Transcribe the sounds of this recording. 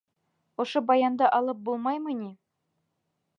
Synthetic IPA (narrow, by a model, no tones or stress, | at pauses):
ŏʃobɑjɑnd̪ɤʔɑlˠɤp̚bulˠmɑjmɤnʲi